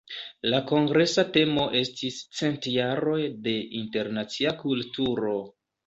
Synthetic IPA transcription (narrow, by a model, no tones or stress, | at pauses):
lako̞ŋɡɾe̞sate̞mo̞ʔe̞stist͡se̞ntjaɾo̞jde̞ʔinte̞ɾnat͡siakultuɾo̞